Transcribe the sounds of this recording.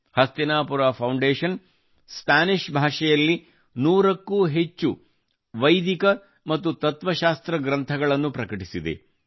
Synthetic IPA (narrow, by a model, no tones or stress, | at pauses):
hɐst̪inaːpuɾaːpʰɐwɳɖeːʂɐn | spaːniʂbʱaːʂɐjɐlːi | nuːɾɐkːuːɦet͡ʃːu | ʋɐjd̪ikɐ | mɐt̪ːut̪ɐt̪ʋɐʃaːst̪ɾɐɡɾɐnt̪ʰɐɡɐɭɐnːupɾɐkɐʈisid̪ḛ